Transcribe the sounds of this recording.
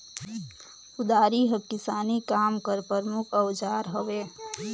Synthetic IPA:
ʊd̪aːɾiɦəkɪsaːnikaːmkəɾpəɾmʊkʰəwd͡ʒaːɾɦəʋeː

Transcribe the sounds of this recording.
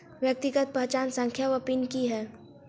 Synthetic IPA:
ʋjək̚t̪ɪɡət̪̚pɐɦt͡ʃaːnsə̃ŋkʰjaʋəpiːnkiɦɛː

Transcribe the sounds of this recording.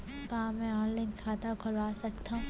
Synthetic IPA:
kaːmɛ̃ɔːnlankʰaːt̪akʰʊlaːsɐkt̪aɦũ

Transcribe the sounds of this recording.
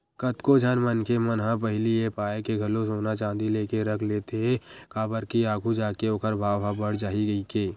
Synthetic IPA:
kət̪kod͡ʒʱənmənkemənɦãpəɦɪliepaːekeɡʱɐlos̬oːnat͡ʃãːnd̪ileːkeɾəkʰleːt̪eɦɛ̃kaːbəɾkiaːɡʱud͡ʒaːkeoːkəɾbʱaːʋɦãbəɽ̤d͡ʒaːiɡəikeː

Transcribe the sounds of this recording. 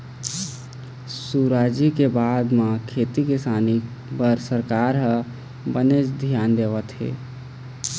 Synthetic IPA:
suɾaːd͡ʒikebaːd̪mãkʰeːt̪ikɪsaːni | pəɾsəɾkaːɾɦə̃ | bənet͡ʃd̪ʱjaːnd̪eːʋət̪ɦḛː

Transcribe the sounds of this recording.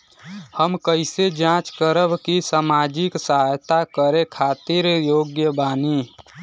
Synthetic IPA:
həmkəɪsed͡ʒãt͡ʃkəɾəbkisamaːd͡ʒɪksəɦajt̪akəɾekʰaːt̪iɾjoːɡjəbaːni

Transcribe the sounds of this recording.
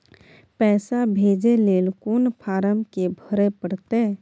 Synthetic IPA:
pɛːsabʱeːd͡ʒeleːlkoːnpʰaːɾəmkebʱəɾepəɽt̪e

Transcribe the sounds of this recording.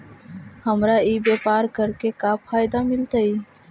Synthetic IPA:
həmɾaiːbeːpaːɾkəɾkekapʰaːjd̪amɪlt̪aiː

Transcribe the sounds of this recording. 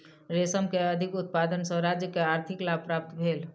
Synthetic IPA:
ɾesəmkeəd̪ʱikut̪̚pad̪ənsə̃ɾad͡ʒjəkeaɾt̪ʰiklab̚pɾap̚t̪bʱel

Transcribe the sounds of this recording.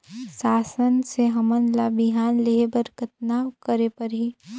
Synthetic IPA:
saːsənseɦɐmənlabiɦaːnleɦebəɾkət̪naːwkəɾepɐɾɦiː

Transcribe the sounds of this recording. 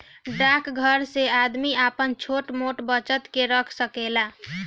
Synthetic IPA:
ɖakɡʱəɾsead̪miapənt͡ʃʰoʈmoʈbət͡ʃət̪keɾəkʰsəkela

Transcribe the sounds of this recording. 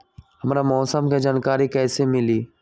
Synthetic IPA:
ɦɐmɾamɔːsəmked͡ʒaːnkaːɾikɛːsemɪliː

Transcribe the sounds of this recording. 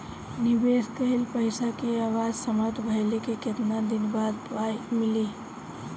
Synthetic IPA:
nɪbeskəɦilpəɪsakeaːwaːd͡ʒsəmat̪bʱəɪlekeket̪nad̪ɪnbaːd̪pajmɪli

